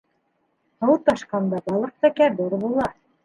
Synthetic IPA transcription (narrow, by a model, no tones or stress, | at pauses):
hɤ̆wɤt̪ɑʃqɑnd̪ɑbɑlˠɤq̚t̪ækæd̪uɾβulˠɑ